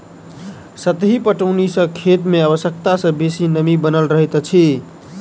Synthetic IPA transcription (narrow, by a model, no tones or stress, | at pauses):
sət̪ɦipəʈəʊnisə̃kʰet̪meaβəsjək̚t̪asə̃besinəmibənəlɾəɦit̪t͡ʃʰi